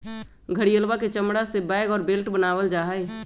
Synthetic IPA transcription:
ɡʱəɽijəlbaket͡ʃəmɽasebɛɪɡɔːɾbeːlʈbənaːwəld͡ʒaːɦe

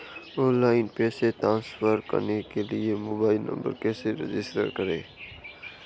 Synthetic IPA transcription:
ɔ̃ːnlaːɪnpɛːsetɾãːnsfəɾkə̰ɾnekeliemoːbaːɪlnə̰̃mbə̰ɾkeːseɾḛd͡ʒɪsʈə̰ɾkəɾḛː

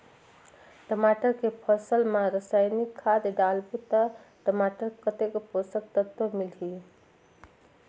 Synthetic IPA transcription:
ʈəmaʈəɾkepʰəsəlmaɾəsajnikʰːad̪ɖalbut̪ə | ʈəmaʈəɾkət̪ekposək̚t̪ət̪omilɦi

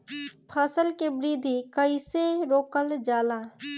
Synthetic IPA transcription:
pʰasəlkebɾiːd̪ʱikəiseɾoːkəld͡ʒaːlaː

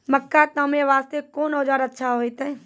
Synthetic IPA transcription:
məkːat̪əmẽʋaːst̪ekoːnoːd͡ʒaːɾətːʃʰaɦoit̪ɛː

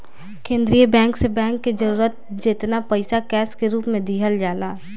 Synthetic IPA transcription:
kẽːnd̪ɾijəbɛ̃ːŋksebɛ̃ːŋkːed͡ʒəɾuːɾət̪̚ | d͡ʒet̪napɐɪsakɛːskeɾuːpmẽd̪iːɦəld͡ʒaːlaː

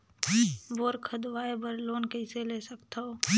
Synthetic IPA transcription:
ʋoːɾkʰəd̪ʋaːebəɾloːnkəɪseleːsəkt̪ao

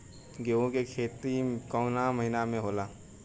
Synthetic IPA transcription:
ɡeːõkekʰeːt̪ikɔʊnaməɦɪnamẽɦoːlaː

